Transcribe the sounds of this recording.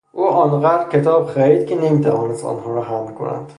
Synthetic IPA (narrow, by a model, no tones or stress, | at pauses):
ʔuːʔɒːnɢæːd̪ɾcʲʰet̪ʰɒːbxæɾiːd̪cʰenemiːt̪ʰævɒːnest̪ɒ̰nhɒːɾɒɦæmmikʰo̰næ̰nd̪̥